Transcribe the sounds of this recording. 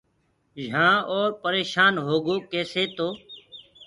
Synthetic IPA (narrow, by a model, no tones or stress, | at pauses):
d͡ʒʱãːoːɾpəɾeːʃaːnɦoːɠoːkeːseːt̪oː